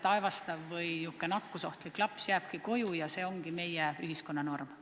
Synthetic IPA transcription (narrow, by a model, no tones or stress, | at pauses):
t̪ɑevɑst̪ɑvːɤjjukːˑenɑkːuso̞ht̪likːlɑpsjæːb̥kiko̞jujɑse̞ːo̞ŋɡime̞jɛyɦisko̞nːɑno̞rm